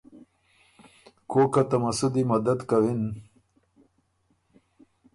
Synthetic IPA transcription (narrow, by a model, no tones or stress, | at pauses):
koːkat̪ɐmasud̪imɐd̪ad̪kawin